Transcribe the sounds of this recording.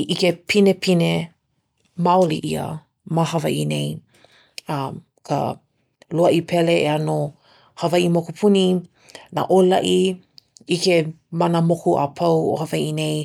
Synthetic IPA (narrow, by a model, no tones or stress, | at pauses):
ʔikepʰinepʰine | maoliʔiə̰ | maɦɐvɐ̰ʔinej | ɐm | kʰa̰ | loɐʔipʰɛleeano | hɐvɐʔimokupʰuni | na̰ʔolɐ̰ʔi | ike | manəmokuʔa̰pʰɐwo̰hɐvɐjʔinej